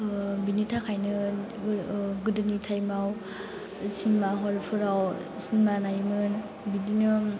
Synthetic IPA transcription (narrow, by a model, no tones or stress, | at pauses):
binitʰakʰajnɯ | ɡɯdɯnitʰajmaw | sinmaɦɔlpʰɯɾawsinmanajmɯn | bininɯ